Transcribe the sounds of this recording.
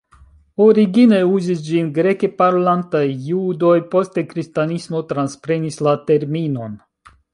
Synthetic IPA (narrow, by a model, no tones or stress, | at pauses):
o̞ɾiɡine̞uzis̬d͡ʒinɡɾe̞ke̞paɾolantajːudo̞jpo̞ste̞kɾistanismo̞tɾanspɾe̞nislate̞ɾmino̞n